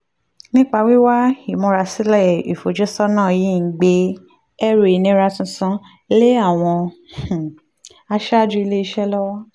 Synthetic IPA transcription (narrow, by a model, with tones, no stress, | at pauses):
nĩ˦k͡pa˧wi˦wa˦i˨mɔ̃˧ɾa˧si˦lɛ˦˨i˨fo˨d͡ʒɛ˦sɔ˦nã˦˨jĩ˦˧˦ɡ͡be˧ | ɛ˦ɾe˨i˨nĩ˨˦ɾa˧tũ˧˦sã˦ | le˦a˦˨w̃ɔ̃˧˨ | a˧ʃa˦˨d͡ʒũ˦i˧le˦i˧ʃɛ˦lɔ˦wa˦